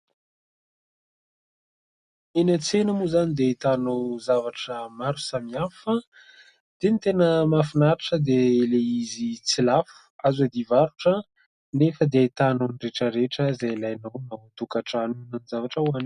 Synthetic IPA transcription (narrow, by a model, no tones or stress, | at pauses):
enət͡senəmuzanid̪eit̪anowzavaʈ͡ʂəmaɾusamiafə | d̪̥enit̪enəmafinaɾaʈ͡ʂəd̪eleizit͡silafu̥azad̪ivaɾuʈ͡ʂə | nefəd̪eit̪anonireʈ͡ʂəɾeʈ͡ʂəzailajnownawt̪ukaʈ͡ʂanunanizavaʈ͡ʂəuan